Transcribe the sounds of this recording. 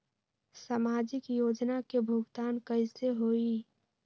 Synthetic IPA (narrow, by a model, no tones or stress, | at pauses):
samaːd͡ʒɪkjoːd͡ʒnakebʱʊɡt̪aːnkəɪseɦoːi